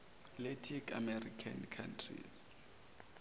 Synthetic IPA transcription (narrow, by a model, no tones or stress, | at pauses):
letʰika̰mɛrikʰa̰nkʰantʰrḭs